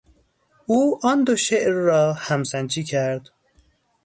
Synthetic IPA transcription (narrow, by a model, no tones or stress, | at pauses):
uːʔɒːnd̪oʃeʔɾːɒːhæmsænd͡ʒiːcʰæɾd̪̥